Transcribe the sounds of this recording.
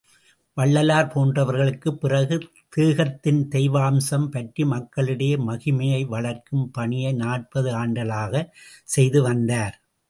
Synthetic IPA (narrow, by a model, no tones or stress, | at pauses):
ʋɐɭːɐlaːɾpoːndrɐʋɐɾɣɐɭɯkːɯpːɪrɐɣɯ | t̪iːɣɐt̪ːɪnt̪ɛɪʋaːmsɐmpɐʈrimɐkːɐɭɯɽɐjɐmɐɣɪmɐjɐɪʋɐɭɐɾkɯmpɐɳɪjɐɪnaːʈ̚pɐðɯaːɳɖɐlaːɣɐsɛjðɯʋɐnd̪aːɾ